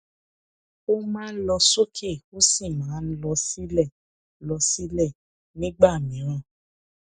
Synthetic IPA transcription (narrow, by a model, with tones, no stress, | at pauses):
o˦mãː˦n̩˦lɔ˧so˦kʰe˦˨o˦si˦˨mãː˨˦n̩˦lɔ˧si˦lɛ˦˨ | lɔ˧si˦lɛ˦˨ | nĩ˦ɡ͡ba˦˨mĩ˨˦ɾ̃ã˧˨